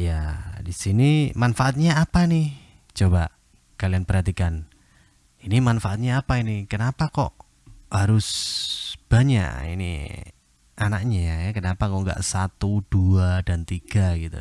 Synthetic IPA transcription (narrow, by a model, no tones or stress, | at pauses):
jadisinimanfaʔat̪̚ɲaːpanɪh | t͡ʃoba | kalianpərɦat̪ikan | inimanfaʔat̪̚ɲaːpainikənapakɔ̰ʔ | haɾʊs | b̥aɲa̰ʔḭnḭ | anak̚ɲajakənapakɔʔŋɡa̰ʔsat̪ud̥uadant̪iɡ̥aɡit̪ṵ